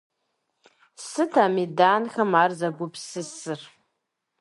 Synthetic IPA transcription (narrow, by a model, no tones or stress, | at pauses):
sɨtʰaːmidaːnxɐmaːrzɐɡʷʊpʰsɨsɨr